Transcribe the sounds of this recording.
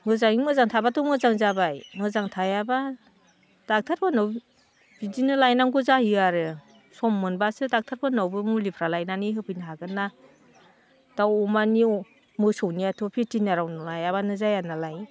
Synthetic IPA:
ŋɡɯzaŋimɯzaŋtʰabatʰɔmɯzaŋzabajmɯzaŋtʰajaba | d̥ak̚tʰaɾbanɔw | bidinɯlajnaŋɡuzahiaɾɯ | sɔmːɯnbasɯdak̚tʰaɾbʰɯnɔwbɯmulipʰɾalajnaniɦɯpʰɯnɦaɡɯna | d̥awɔmani | mɯsɔwniatʰɔpʰitinaɾawnɯlajaβanɯzajanalaj

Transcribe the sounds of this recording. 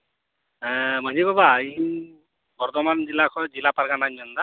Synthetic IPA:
mənibabai | bɔɾd̪ɔmand͡ʒilːakʰɔd͡ʒilapaɾɡanamɔnd̪a

